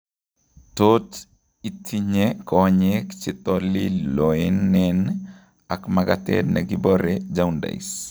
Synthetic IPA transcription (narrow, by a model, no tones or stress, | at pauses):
tot | itʰiɲekɔɲɛkt͡ʃɪt̪ɔliloenːɛn | akmaɡa̰tɛ̰dnʔaɡibɔɾɛd͡ʒawnda̰ḭs